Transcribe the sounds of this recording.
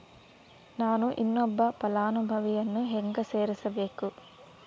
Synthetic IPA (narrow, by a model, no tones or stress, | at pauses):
naːnuʔinːɔbːɐpɐlaːnubʱɐʋijɐnːuɦeŋɡɐseːɾisɐbe̞ːku